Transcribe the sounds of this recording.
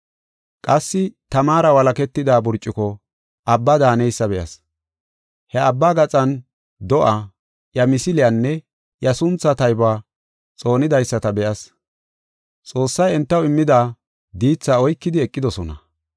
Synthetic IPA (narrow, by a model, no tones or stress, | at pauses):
kʼɐsːɪt̪ɐmaːɾɐwɐlɐkɛt̪ːɪd̪aːbʊɾt͡ʃʼːɪkɔ | ʔɐbːɐd̪aːnɛjsːɐbɛʔɐs | hɛɐbːaːɡɐt͡sʼɐn | d̪ɔʔaː | jɐmɪsɪlɪjɐnːɛ | jɐsʊnt͡sːɐt̪ɐjbaː | t͡sʼo̞ːnɪd̪ɐjsːɐt̪ɐbɛʔɐs | t͡sʼo̞ːsːɐjɛnt̪ːɐwɪmːɪd̪aː | d̪iːt͡sːaːɔjkːɪd̪ɪɛkʼːɪd̪ɔsɔnɐ̰